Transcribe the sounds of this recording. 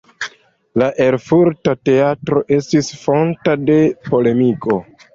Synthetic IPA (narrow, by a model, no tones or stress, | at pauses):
laʔe̞lfuɾtate̞atɾo̞ʔe̞stisfo̞ntade̞po̞le̞miko̞